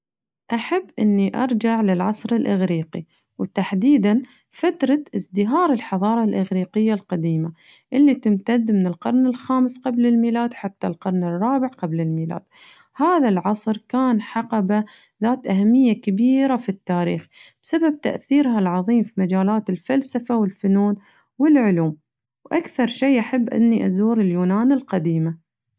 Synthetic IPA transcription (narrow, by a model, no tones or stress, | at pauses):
ʔaħabːʔɪ̰nːiʔɑ̰ɾˤd͡ʒaʕlɪlʕɑsˤɾɪlʔaɣɾiːqḭ | wt̪aħd̪iːd̪an | fat̪ɾˤɑʔɪzd̪ɪɦɑːɾˤɪlħɑðˤɑːɾˤɑlʔɪɣɾiːqɪjːalqad̪iːma | ʔɪlːit̪ɪmt̪ad̪ːmɪnɪlqɑɾˤnɪlxaːmɪsqablɪlmiːlaːd̪ħat̪ːalqɑɾˤnɪrˤːɑːbɪʕqablɪlmiːla̰ːd̪̥ | haːðalʕɑsˤɾkaːnħɑqɑba | ðaːt̪ʔahamːɪjːakabiːɾafit̪ːaːɾḭːxb̥sabab̚t̪a̰ʔθiːɾhalʕɑðˤiːmfimad͡ʒaːlaːt̪ɪlfalsafawɪlfʊnuːn | wɪlʕʊluːm | wʔakθɑɾˤʃeːʔaħabːʔɪ̰nːiʔazuːɾɪljuːnaːnɪlqad̪iːma